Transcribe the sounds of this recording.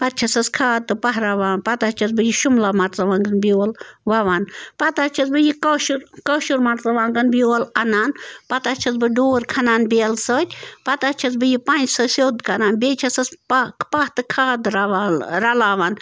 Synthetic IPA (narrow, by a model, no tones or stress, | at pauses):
pɐt̪̚t͡ʃʰɐsɐskʰaːd̪̚t̪ːɨpɐɦɾaʋaːnpɐt̪at͡ʃʰɐsbɨjiʃumlamɐɾt͡sɐʋaːŋɡɐnbioːlʋɐʋaːnpɐt̪at͡ʃʰɐsbɨjikoʃuɾkoːʃuɾmɐɾt͡sɐʋaːŋɡɐnbioːlɐnaːnpɐt̪at͡ʃʰɐsbɨɖoːɾkʰɐnaːnbeːlsəːt̪ʲpɐt̪at͡ʃʰɐs̬bɨjipanʲd͡ʒsɐsʲoːd̪kɐnaːnbeːt͡ʃʰɐsɐsppɐht̪ɨkʰaːd̪ɾaʋaːnɾɐlaːʋaːn